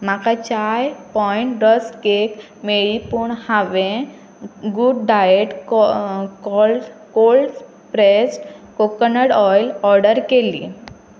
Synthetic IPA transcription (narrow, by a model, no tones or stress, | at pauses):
makat͡ɕajpɔiɳʈd̪əskek | meɭipuɳhaʋẽ | ɡuɖɖajeʈkkɔlkolɖs | pɾesʈkokənəɽɔjlɔɾɖəɾkelḭː